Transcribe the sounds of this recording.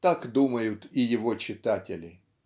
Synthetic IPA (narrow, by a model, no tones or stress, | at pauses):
t̪akd̪uməjʊt̪ɪjɪvot͡ɕɪt̪atʲɪlʲɪ